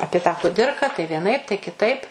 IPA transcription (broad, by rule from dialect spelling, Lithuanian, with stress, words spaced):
ˈɑːpʲiɛ tɑː ˈkʊdʲɪrkɐ tɐɪ ʋʲiɛˈnɐɪp tɐɪ kʲɪˈtɐɪp